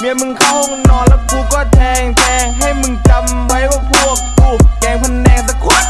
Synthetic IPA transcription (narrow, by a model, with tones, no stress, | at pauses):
mi˧əmɯ˧˩ŋkʰa˧˥˦hɔ˧˩ŋnɔː˨˥˩nla˧˩k̪ʰuː˧˩kɔː˥˩t̪ʰɛː˧˩ŋt̪ɛː˧˩ha˧˩jmɯ˧˩ŋt͡ɕa˨˧˩m | wa˨˦˥jkaː˧˩pʰu˧˩ək̚puː˧˩a˨˩mʰo˧˥nːɛː˧˩ŋsa˧˥kʰu˧˥˩